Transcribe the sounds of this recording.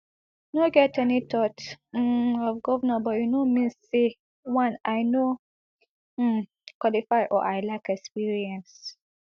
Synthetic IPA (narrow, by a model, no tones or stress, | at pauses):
jnoɡɛtɛnitʰɔt̩ | ɔvɡɔvnabɔjunomĩnsse | wãnajno | kwɔlifaɪʔɔ̰ʔajlaɪkɛkspiɹiɛ̃ns